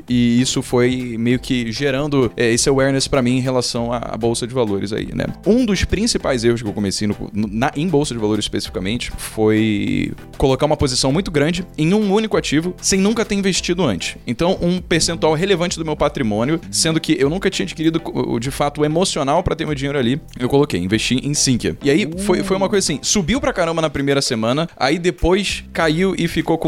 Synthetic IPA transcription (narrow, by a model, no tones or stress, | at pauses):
ɪisʊfojmejʊkʰɪʒeɾɐ̃nd̪ʊɛesewɛɾnespɾɐmĩẽj̃ɦelasɐ̃w̃ɐ̰a̰bowsɐd͡ʒɪvaloɾɪ̰za̰ḭnɛ̰ũd̪ʊspɾĩsipajzeɦʊs̬ʃkɪewkõmesejnʊknʊnɐʔẽj̃bowsɐd͡ʒɪvaloɾɪzɪ̥iʃpesi̥fikamḛ̃nt͡ʃɪ̥foj | kolokaũmɐpozisɐ̃w̃mũj̃t̪ʊɡɾɐ̃d͡ʒɪẽj̃ũũnikʊat͡ʃivʊsẽj̃nũkɐt̪eɾĩveʃt͡ʃid̪ʊɐ̃nt͡ʃɪ̥sẽnt̪ɐ̃w̃ʔũpeɾsẽnt̪uawɦelevɐ̃nt͡ʃɪd̪ʊmewpat̪ɾimõnʲjʊsẽnd̪ʊkɪʔewnũkɐt͡ʃĩɲɐd͡ʒi̥kiɾid̪ʊkd͡ʒɪfat̪ʊemosionawpɾɐt̪eɾmewd͡ʒĩɲejɾʊaliewkolokejĩveʃt͡ʃiʔẽj̃sĩkjɐ̰ɪaifojfojũmɐkojzasĩsubiwpɾɐkaɾɐ̃mbɐnɐpɾimejɾɐsemɐ̃nɐa̰id̪epojskaiwɪfikokõ